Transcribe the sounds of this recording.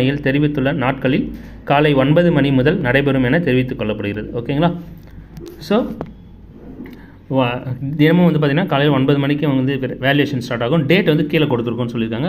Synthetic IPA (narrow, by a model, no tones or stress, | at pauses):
ɐjɪlt̪ɛɾɪʋɪt̪ːɯɭːɐnaːʈkɐɭːɪl | kaːlɐɪɔnbɐðɯmɐnimʊðɐlnɐɽɐɪbɛɾɯmɛnɐt̪ɛɾɪʋɪt̪ːɯkːɔɭːɐpːɐɽɯɣɪɾɐðɯʔoːkːeŋɡɐlaː | soː | d̪ɪnɐmɐ̃ʋɐnd̪ɯpaɾt̪iŋɡɪnːaːkaːlɐɪjɪlɔnbɐðɯmɐɳikːɯ̃ɐŋɡɐnd̪ɯʋeːljeːʂɐnsʈaːɾʈaːɣʊ̃mɖeːʈːʋɐnd̪ɯkiːlɐkɔɽɯt̪ːɯɾɯkːʊ̃nːɯsɔlːɪɾɯkːaːŋɡɐ